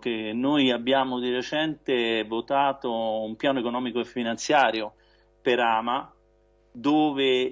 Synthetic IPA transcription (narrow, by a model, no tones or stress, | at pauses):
k̟enːojabːjaːmod̪iret͡ʃɛnt̪evot̪aːt̪oumpjaːnoekonɔːmikoefːinant̪sjaːɾjo | peɾaːma | d̪oːve